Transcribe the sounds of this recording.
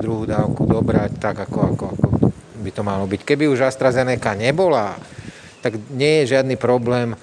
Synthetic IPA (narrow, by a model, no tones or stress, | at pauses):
d̪ɾuɦuːd̪aːʊkud̪ɔbɾact̪aɡakɔakɔakɔbit̪ɔmalɔbickɛbiuʒast̪ɾazɛnɛkaɲɛbɔla | t̪aɡɲɪɛjɛʒɪad̪nipɾɔblɛːm